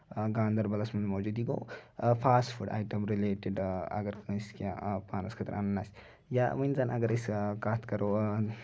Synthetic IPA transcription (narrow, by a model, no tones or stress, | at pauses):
ɡaːnd̪ɐɾbɐlɐsmɐnmɐwd͡ʒuːd̪iɡo̰wfʰaːsʈfuɖa̰ːjʈɐmɾileːʈiɖɐ̰ɡɐɾkɐnskiã̰paːnɐskʰɐt̪ɾʔa̰nnːasʲ | jamɐnzanʔɐɡɐɾɐskaːt̪kɐɾoː